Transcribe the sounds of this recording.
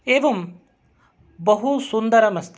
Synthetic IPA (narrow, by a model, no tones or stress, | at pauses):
eːʋɐm | bɐɦusund̪ɐɾɐmɐst̪